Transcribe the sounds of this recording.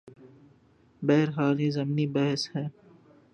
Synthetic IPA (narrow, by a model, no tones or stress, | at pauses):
bɛɦɾɦaːliːzɐmnibɐɦshɛː